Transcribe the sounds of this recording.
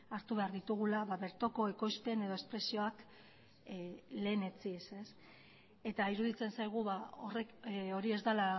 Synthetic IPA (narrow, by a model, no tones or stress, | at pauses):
aɾt̪uβe̞aɾðit̪uɣ̞ulaβaβe̞ɾt̪o̞ko̞e̞ko̞jspe̞ne̞ðo̞e̞spɾesio̞ak | le̞ːne̞t͡sise̞s | e̞t̪aiɾuðit͡se̞nsajɣ̞uβaoreko̞ɾie̞zd̪ala